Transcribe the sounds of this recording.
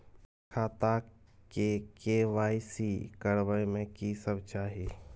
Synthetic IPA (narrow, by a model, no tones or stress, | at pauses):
kʰaːt̪akekeʋaːisikəɽʋəemẽkiːsəbʱt͡ʃaːɦiː